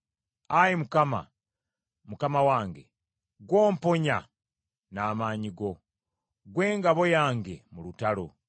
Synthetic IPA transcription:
ajimukama̰ | mukamawaːŋɡe̞̰ | ɡwo̞ːmpo̞ɲa | naːmaːɲiɡo̞ | ɡwe̞ːŋɡaβo̞jaːŋɡe̞mulutalo̰

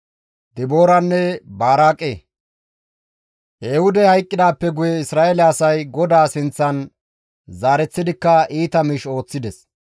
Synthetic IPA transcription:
d̪ɪbo̞ːɾɐnːɛbaːɾaːkʼːe | ʔeːhʊd̪ɛhɐjkʼːɪd̪aːpːɛɡʊjɛɪsɾaːʔɛlɛɐsɐjɡɔd̪aːsɪnt͡sːɐn | zaːɾɛt͡sːɪd̪ɪkːɐʔiːt̪ɐmɪʃo̞ːt͡sːɪd̪ɛs

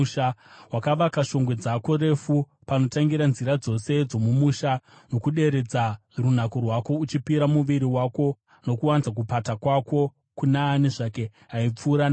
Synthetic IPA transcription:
awakaʋakaʃo̞ŋɡwe̞d͡zako̞ɾe̞fu | pano̞taŋɡiɾanziɾad͡zo̞se̞d͡zo̞mumuʃa | no̞kuɗe̞ɾe̞d͡za | run̤ako̞rwako̞ut͡ʃipiɾamuʋiɾiwako̞ | no̞kuwanit͡sak̬upatakwako̞ | kunaːniʐake̞ | ɦaip͡fuːɾan

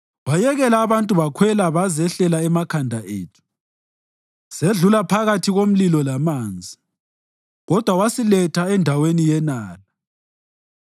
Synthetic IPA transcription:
βajɛɣɛlaːβantʼuβakʰwɛlaβazɛɬɛlaɛmakʰandʱaʔḛːtʰu̥ | seɮulapʰaɣatʰiɣom̩lilɔlamaːnd͡zʱi | ɣɔd̥ʱwawasilɛtʰaɛndʱawenijɛnaːla

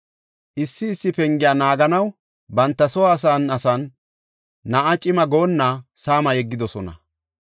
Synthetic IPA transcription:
ʔɪsːɪːsːɪpɛŋɡɪjaːnaːɡɐnɐw | bɐnt̪ːɐsɔwaːs̬aːnɐsɐnː | ɐʔat͡ʃʼɪmɐɡo̞ːnːasaːmɐjɛɡːɪd̪ɔsɔnɐ̰

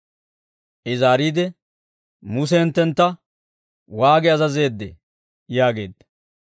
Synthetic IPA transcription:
ʔɪzaːɾiːd̪ɛ | mʊs̬ɛɛnt̪ːɛnt̪ːɐ | waːɡɛɐzɐze̞ːd̪ːɛ̰ | jaːɡe̞ːd̪ːɐ̥

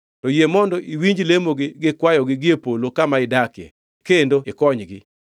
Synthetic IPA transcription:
tɔjemɔndɔʔiwiɲd͡ʒlemoɡɪɡɪkwajɔɡɪɡɪepolokamaɪdakjɛ̰ | kendoɪkɔɲɡɪ̰

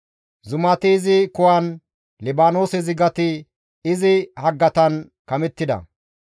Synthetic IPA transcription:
zʊmɐt̪ɪːzɪkʊwɐn | lɪbaːnoːsɛzɪɡɐt̪ɪ | ɪzɪhɐɡːɐt̪ɐn | kɐmɛt̪ːɪd̪ɐ̰

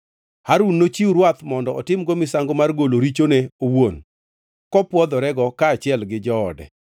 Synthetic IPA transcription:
haɾunːot͡ʃiuɾwat̪mɔndɔʔɔtɪmɡɔmɪsaŋɡomarɡoloɾit͡ʃoneowon | kɔpwɔd̪ɔɾɛɡɔkaːt͡ʃɪɛlɡɪd͡ʒɔ̰ːdɛ̰

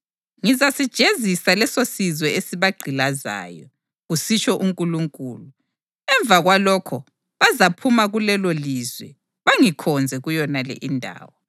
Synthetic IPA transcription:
ŋizasid̥ʒ̥ʱezisalɛsosizwɛesiβaɡ͡ǃʱilaza̰ːjɔ | ɣusit͡ʃʰʼɔʔuŋkʼuluŋkʼuːlu | ɛɱb̪vʱaɣwalɔkʰɔ | βazapʰumaɣulɛlolizwɛ̰ | βaŋikʰɔnd͡zʱɛɣujɔnalɛ̰ʔindʱa̰ːwɔ

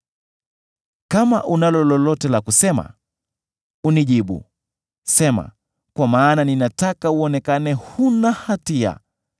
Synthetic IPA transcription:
kama̰ʔunalɔlɔlɔtɛlakusɛma̰ | uniʄiɓṵ | sɛma̰ | kwamaːnaninatakauɔnɛkanɛhunahatia̰

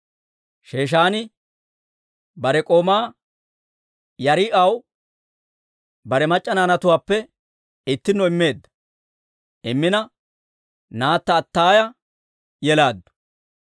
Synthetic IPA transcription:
ʃe̞ːʃ̬aːnɪ | bɐɾɛkʼo̞ːmaː | jɐɾɪʔɐw | bɐɾɛmɐt͡ʃʼːɐnaːnɐt̪ʊwaːpːɛ | ɪt̪ːɪnːɔɪmːe̞ːd̪ːɐ | ɪmːɪnɐ | naːt̪ːɐːt̪ːaːjɐ | jɛlaːd̪ːʊ̥

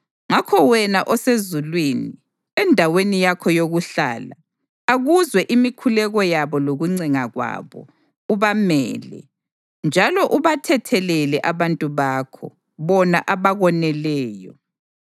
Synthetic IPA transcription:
ŋakʰɔwɛnaʔɔsezulwini | ɛndʱawenijakʰɔjoɣuɬa̰ːla | aɣuzwɛʔimikʰulɛɣɔjaβɔloɣuŋ͡ǀiŋaɣwa̰βɔ̰ | uβamɛ̰ːlɛ̰ | nd͡ʒʱalɔʔuβatʰɛtʰɛlɛlɛʔaβantʼuβakʰɔ̰ | βɔnaʔaβaɣɔnɛlɛːjɔ

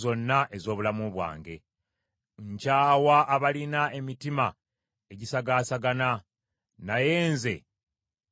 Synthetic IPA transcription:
zo̞nːaʔe̞zo̞ːβulamuβwa̰ːŋɡe̞̰ | ɲcaːwaʔːβalinae̞mitima | e̞ɟisaɡaːsaɡana | naje̞ːnze̞̰

